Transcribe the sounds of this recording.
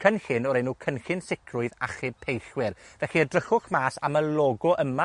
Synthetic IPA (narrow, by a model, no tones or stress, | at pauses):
kʰənɬɪnɔɾenːuːkʰənxɪnsɪkʰrʊɨðaχɪpʰejɬwɪrvɛɬiədrəχʊχmaːsa̰məlˠɔːɡɔʔəma